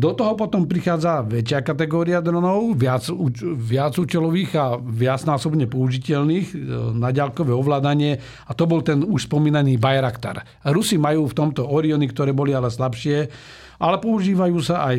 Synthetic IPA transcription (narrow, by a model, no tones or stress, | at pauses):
d̪ɔt̪ɔɦɔpɔt̪ɔmpɾixaːd͡zaʋɛt͡ʃɪakat̪ɛɡɔːɾiad̪ɾɔnɔʊʋɪad͡zuʋɪad͡zuːt͡ʃɛlɔʋiːɣaʋɪad͡znaːsɔbɲɛpɔuʒicɛlniːɣnaɟalkɔʋɛɔʋlaːd̪aɲɪɛ | at̪ɔbɔlt̪ɛnuʃspɔmiːnaniːbajɾakt̪a̰ɾ | ɾusimajuːft̪ɔmt̪ɔɔɾiɔnikt̪ɔɾɛːbɔlialɛslapʃɪɛ | ʔalɛpɔuʒiːʋajuːsaʔaj